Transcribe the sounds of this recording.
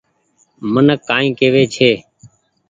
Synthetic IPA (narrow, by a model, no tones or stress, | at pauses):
mənəkːaːĩːkeːʋeːt͡ʃʰeː